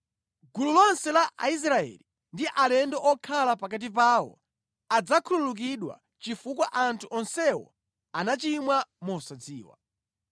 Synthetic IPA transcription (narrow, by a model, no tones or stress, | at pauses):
ɡululɔnsɛlaʔais̬ɾaɛ̰li | ndiʔalɛndɔʔɔkʰalapak̬at̬ip̬aːwɔ̰ | ad͡zakʰululuk̬iɗwa̰ | t͡ʃifukwaʔantʰuʔɔnsɛwɔ̰ | anat͡ʃimwamusad͡ziːwa̰